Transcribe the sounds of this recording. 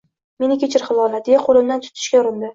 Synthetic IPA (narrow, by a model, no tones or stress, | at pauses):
me̞nɪkʲʰet͡ʃʰɪɾχɨlˠɒlad̪ejaqʰolɪmd̪ant̪ʰʊ̥t̪ʰɪ̥ʃkʲajʊɾɪnd̪ɪ